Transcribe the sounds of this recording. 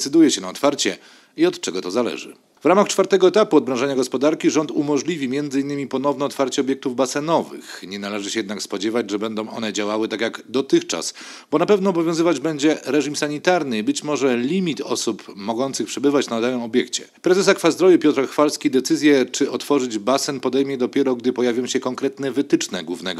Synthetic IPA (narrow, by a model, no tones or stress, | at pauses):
sɘd̪ujɛɕɛnaɔt̪faɾt͡ɕɛ | iɔt̪t͡ʂɛɡɔt̪ɔzalɛ̰ʐɘ̰ | vɾamaxt͡ʂfaɾt̪ɛɡɔɛt̪apuɔd̪̚bɾɔ̃ʐɛɲaɡɔspɔd̪aɾkʲiʐɔnt̪umɔʐlʲivʲimʲjɛnd̪zɘinːɘmʲipɔn̪ɔvnɛɔt̪faɾt͡ɕɛɔbʲjɛk̚t̪uvbasɛnɔvɘ̰xɲɛnalɛʐɘɕɛjɛd̪nakspɔd͡ʑɛvad͡ʑʐɛbɛnd̪ɔ̃w̃ʔɔ̰nɛd͡ʑawawɘt̪akʲjaɡd̪ɔt̪ɘxt͡ʂa̰s | bɔnapɛvnɔːbɔvʲjɔ̃w̃zɘvad͡ʑbɛɲd͡ʑɛɾɛʐimsaɲit̪aɾnɘbɘt͡ɕmɔʐɛlʲimʲit̪ɔ̰supmɔɡɔnt̪sɘxpʂɛbɘvat͡ɕnad̪awɛmɔbʲjɛkt͡ɕɛ̰ | pɾɛzɛs̬akfazd̪ɾɔjupʲjɔt̪ɾɔxfalskʲid̪ɛt̪sɘzʲjɛt͡ʂɘʔɔt̪fɔʐɘd͡ʑbasɛnpɔd̪ɛjmʲjɛd̪ɔpʲjɛɾɔɡd̪ɘpɔjavʲjɔ̃w̃ɕɛkɔŋkɾɛt̪nɛvɘt̪ɘt͡ʂnɛɡwuvnɛɡɔ